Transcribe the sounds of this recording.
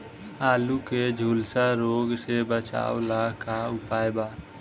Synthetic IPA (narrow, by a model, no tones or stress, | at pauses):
aːluked͡ʒʱulsaɾoɡsebət͡ʃa̰ʊlakaʊpajba